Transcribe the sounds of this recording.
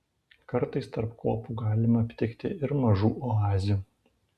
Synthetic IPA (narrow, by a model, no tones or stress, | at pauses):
kɐɾt̪ɐɪst̪ɐɾpkoːpuːɡɑːlʲɪmɐɐpʲt̪ʲɪkt̪ʲɪ̰ɪɾmɐʒuːʔɔɑːzʲɪjuː